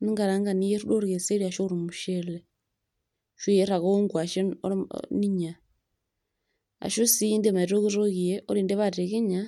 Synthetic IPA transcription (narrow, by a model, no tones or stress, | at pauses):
niŋɡaɾaŋɡanijeɾudoɾɣeseɾiaʃoɾimuʃele | ʃujeɾaɣoŋɡwaʃḛniɲa | a̰ʃosiiːndemaiɾoɣuɾoɣijeoɾiːndeβateɣiɲa